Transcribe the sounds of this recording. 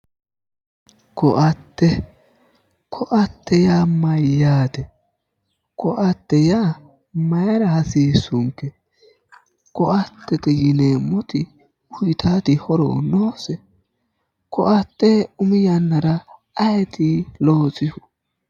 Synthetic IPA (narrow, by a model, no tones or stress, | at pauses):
kɔʔɐt̪ːɛ | kʰɔʔɐt̪ːɛjaːmɐjːaːt̪ɛ | kʰɔʔɐt̪ːɛjaː | mɐjɐɾɐhɐsiːsʊŋkːɛ | kɔʔɐt̪ːɛk̪ɛjɪneːmːɔt̪ɪ | ʊjɪt̪ʰaːt̪ɪhɔɾɔ̰ːnoːsɛ | kʰɔʔɐt̪ːɛʊmɪjɐnːɐɾɐ | ɐjt̪iloːt͡sʼɪhʊ